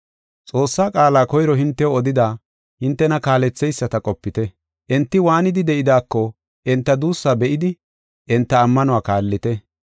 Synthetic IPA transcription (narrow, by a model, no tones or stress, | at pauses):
t͡sʼo̞ːsːaːkʼaːlaːkɔjɾɔɦɪnt̪ːɛoɔd̪ɪd̪aː | hɪnt̪ːɛnɐkaːlɛt͡sːɛjsːɐt̪ɐkʼɔpːɪt̪ɛ | ʔɛnt̪ːɪwaːnɪd̪ɪd̪ɛʔɪd̪aːkːɔ | ʔɛnt̪ːɐd̪uːsːaːbɛʔɪd̪ɪ | ʔɛnt̪ːɐːmːɐnʊwaːkaːlːɪt̪ɛ